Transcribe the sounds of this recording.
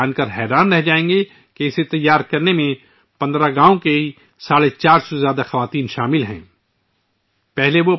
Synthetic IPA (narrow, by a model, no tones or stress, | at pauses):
aːnkɐɾɦɛːɾaːnɾɛɦd͡ʒaːẽːŋɡe | keɪset̪ɐjːaːɾkɐɾnemẽ | pɐ̃nd̪ɾaɡãːõkei | saːɽet͡ʃaːɾsɔzjaːd̪axɐʋaːt̪iːnʃaːmɪlɦɛ̰̃ː | pɛɦleʋo